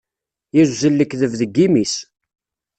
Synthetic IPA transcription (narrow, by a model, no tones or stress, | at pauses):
jæzzəlːəkðəvðəɡːimis